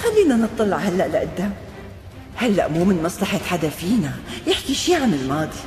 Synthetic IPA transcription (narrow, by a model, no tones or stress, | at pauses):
xalːiːnanɨt̪ˤːɑlːɑʕhalːaʔlɪʔɪd̪ːam | halːa̰ʔmuːmɪnmɑsˤlɑħat̪ħad̪afiːnajɪħkiʃiːʕanɪlmaːd̪ˤi